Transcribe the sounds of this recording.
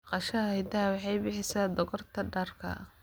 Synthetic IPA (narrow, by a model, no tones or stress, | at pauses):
qɑʃɐhɛjd̪ɐwɑħɑjbɪħɪsaːd̪ɔɣɔrt̪ʰɐɖɐrkʰɐ̰